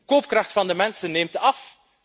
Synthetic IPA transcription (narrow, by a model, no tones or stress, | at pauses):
koːp̚krɑχtfɑndəmɛnsənːeːmtɑf